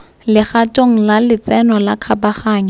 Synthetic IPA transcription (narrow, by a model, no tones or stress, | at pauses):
lɪχatʼoŋ̩lalɪt͡sɛnɔlakʰabaχaːɲa